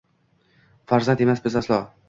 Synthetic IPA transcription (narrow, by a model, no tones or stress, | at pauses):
faɾzant̪e̞masbɪzaslˠɒ